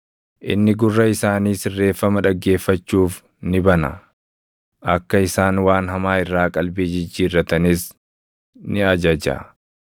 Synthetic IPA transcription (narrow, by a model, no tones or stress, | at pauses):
ʔɪ̰nːɪɡʊrːɐɪsaːniːsɪrːe̞ːfːɐmɐᶑɐɡːe̞ːfːɐt͡ʃːuːf | nɪbɐnɐ̰ | ʔɐkːɐɪsaːnwaːnɦɐmaːɪrːaːkʼɐlbeːd͡ʒɪd͡ʒːiːrːɐt̪ɐnɪs | nɪɐd͡ʒɐd͡ʒɐ̰